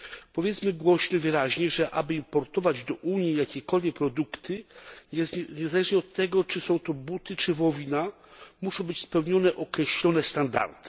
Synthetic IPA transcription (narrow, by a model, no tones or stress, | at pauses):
pɔvʲjɛt̪smɘɡwɔɕɲɛvɘɾaʑɲɛʐɛʔabɘimpɔɾt̪ɔvad͡ʑd̪ɔʔuɲjijakʲɛkɔlvʲjɛk̚pɾɔd̪ukt̪ɘɛɲɛzalɛʐɲɛɔt̪ːɛɡɔt͡ʂɘsɔ̃w̃t̪ɔbut̪ɘt͡ʂɘvɔvʲina | muʂɔ̃w̃bɘt͡ɕspɛwɲɔnɛʔɔkɾɛɕlʲɔnɛst̪and̪a̰ɾt̪ɘ̥